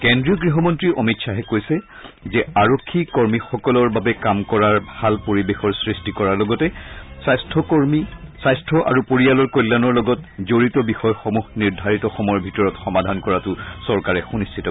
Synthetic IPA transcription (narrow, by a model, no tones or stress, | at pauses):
kendɹiɔɡɹiɦɔmɔntɹiɹʔɔ̰mitsʰaɦɛkojsɛ | zɛaɹokʰːikɔɹmixɔkɔlɔɹbabɛkamkɔɹaɹbʱalpoɹibexɔɹsɹistikɔɹaɹlɔɡɔtɛsajstʰɔkɔɹmisajstʰɔʔa̰ɹupoɹialɔɹkojlːanɔɹlɔɡɔtzoɹitɔbixɔjxɔmuxniɹdʱaɹitɔxɔmɔjɔbʱitɔɹɔtxɔmadʱankɔɹatʊsɔɹkaɹɛxunistʰitɔ